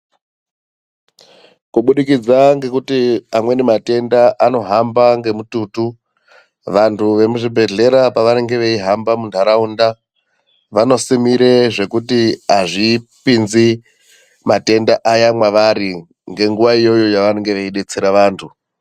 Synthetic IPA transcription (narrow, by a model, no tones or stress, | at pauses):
kuɓuɗikid͡zaŋɡe̞kutiamwe̞nemate̞ndaʔano̞ɦambaŋɡe̞mutuːtu | ʋantʰuʋe̞muʐibʱe̞ɮe̞ɾapaʋaneŋɡe̞ʋe̞iɦambamundʰʱaɾaunda | ʋano̞simiɾe̞ʐe̞kutiaʐipinzi | mate̞ndaʔajamwaʋaɾi | ŋɡe̞ŋɡuʋaijo̞jo̞jaʋaneŋɡe̞ʋeiɗe̞t͡seɾaʋaːntʰu